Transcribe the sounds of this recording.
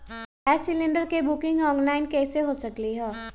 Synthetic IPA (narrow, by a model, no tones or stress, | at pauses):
ɛːsɪlɪ̃ɳɖəɾkebʊkɪ̃ŋɡɔːnlaːɪnkɛːseɦosɐkliɦɛː